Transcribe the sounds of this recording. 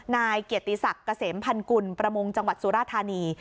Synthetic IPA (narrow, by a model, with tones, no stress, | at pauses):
naː˧jki˨˩ət̪ːi˧˩sa˨˩kːa˧seː˩˦mpʰa˧nku˧npɾa˧mo˧ŋt͡ɕa˧ŋwa˨˩t̪̚suː˨˦ɾaː˥˩t̪ʰːaː˧niː˧